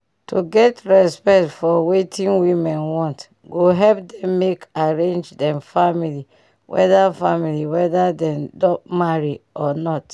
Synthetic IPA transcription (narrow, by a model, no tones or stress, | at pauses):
tuɡɛtɹɛspɛktfɔwetʰĩnwimɛ̃nwɔ̃nt | ɡoɦɛlp̚dɛ̃mːekaɹẽnd͡ʒdɛ̃mfamili | wʔɛ̰dafamiliwɛdadɛ̃mdɔpmaɹiɔnɔt